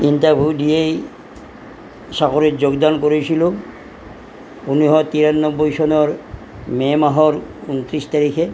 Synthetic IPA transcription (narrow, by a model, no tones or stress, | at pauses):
intabʱudijej | sakoɾitd͡ʒoɡd̪ankoɾisilo | uniɦɔt̪iɾanːɔbːɔjsɔnɔɾ | mɛmaɦɔɾunt̪ɾist̪aɾikʰe